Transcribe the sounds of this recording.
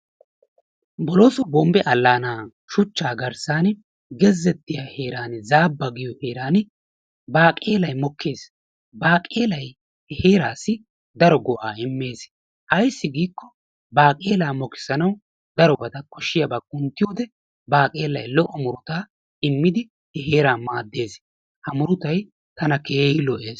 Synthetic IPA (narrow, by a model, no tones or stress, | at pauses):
bɔloːsɔbɔmbɛʔɐlːaːnaː | ʃʊt͡ʃːaːɡɐɾsaːn | ɡɛzːɛt̪ːɪjahe̞ːɾaːnzaːbːɐɡɪjɔhe̞ːɾaːn | baːkʼe̞ːlɐjmɔkːe̞ːs | baːkʼe̞ːlɐj | he̞ːɾaːsːɪ | d̪ɐɾɔɡɔʔaːɪmːe̞ːs | ʔɐjsːɪɡiːkːɔ | baːkʼe̞ːlaːmɔkɪ̥sɐnɐw | d̪ɐɾɔbɐt̪ɐkɔʃːɪjɐbɐkʼːʊnt̪ːɪjoːd̪ɛ | baːkʼe̞ːlɐ̰jlɔʔːɔmʊɾʊt̪aː | ɪmːɪd̪ɪ | hɛɦe̞ːɾaːmaːd̪ːe̞ːs | hɐmʊɾʊt̪ɐj | t̪ɐnɐkeːhɪlɔʔeːs